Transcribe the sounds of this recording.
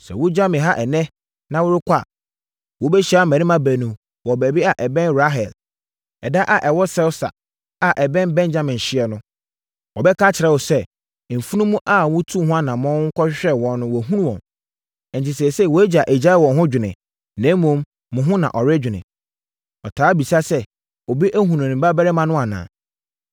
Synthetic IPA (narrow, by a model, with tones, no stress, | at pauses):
sɛ̰˨wʊ˦d͡ʑa˦mɪ̃˨ɦa˦ʔɛ˨nɛ̃˦ | nã˨wʊ˦ɾɪ˦kʷʰa˦˨ | wɔ˨˦bɛ˦ɕi˦a˨˦˨mæ̃˨nĩ˦mã˦bæ˨nũ˨m | wɔ˨bæ˨bi˦a˨ʔɛ˨bɛ̃˦nɾa˦ɦɛ˨l | ɛ˨da˦ʔa˨ʔɛ˨wɔ˦sɛ˦wsa̰˨ | a˨ʔɛ˨bɛ̃˦nbɛ̃˦nd͡ʑa˦mɪ̃˨ɕɪ˦ɛ˨nʊ̃˦ | wɔ˨bɛ˦kʰã˦t͡ɕʰɪ˨ɾɛ˦wɔ˨sɛ˦˨ | m̩˨fu˦nũ˦mũ˦ʔa˦˨wʊ̃˦tʰu˦˨hʊ̃˦a˦nã˨mɔ̃˦ŋ̩˦kʰɔ˦ɕᶣɕᶣɛ˦wɔ̃˨nʊ̃˦wɔ˨ɦũ˦nũ˦wɔ̃˨m | ɛ˨n̩˨ti˨se˨sɛ˦˨wɔ˨æ˦d͡ʑa˨ʔɛ˨d͡ʑa˦wɔ̃˨nɦʊ̃˦d͡ʑᶣɪ˨nɪ̰̃˨ | nɛ̃˨˦mũ˨˦mː | ʊ̃˨ɦʊ̃˦nã̰˨ʔɔ˨ɾɪ˦d͡ʑᶣɪ˨nɪ̰̃˨ | ɔ˨tʰaː˨˦bi˨sa˦sɛ˦ | ɔ˨bi˦ʔæ˦ɦũ˨nũ˨nɪ̃˨m̩˨ba˦bɛ˦ɾɪ˦mã˦nʊ̃˦a˨nã̰ː˨